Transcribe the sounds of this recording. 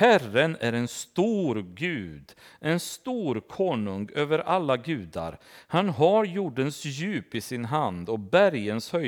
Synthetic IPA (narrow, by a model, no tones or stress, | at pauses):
hærənæɾɛnst̪uːɾɡʉ̟ːd̪ʔɛnst̪uːɾkʰoːnɵŋøːvəɾʔalːaɡʉ̟ːd̪a̰ɾhanɦaɾjuːɖənsjʉ̟ːpɪsɪnɦand̪ɔk̚bæɾjənshœ